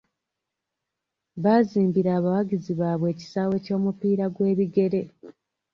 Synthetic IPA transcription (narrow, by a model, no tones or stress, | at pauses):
βaːziːmbiɾaːβawaɡiziβaːβwe̞ːci̥saːwe̞co̞ːmupiːɾaɡwe̞ːβiɡe̞ɾe̞